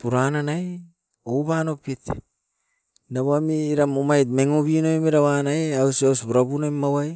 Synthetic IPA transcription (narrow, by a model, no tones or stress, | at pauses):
puɾananaj | owβano̞pit | naβamiːɾamomajt̚meŋobinojmeɾawanajeawsawsbuɾabunojmːawaj